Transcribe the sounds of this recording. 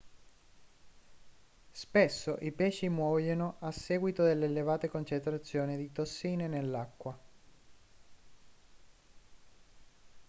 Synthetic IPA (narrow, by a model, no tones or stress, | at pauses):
spesːoʔipɛːʃimwɔːjonoʔasːɛːɡwit̪od̪elːelevaːt̪ekont͡ʃent̪ɾat̪sːjoːnid̪it̪osːiːnenelːakːwa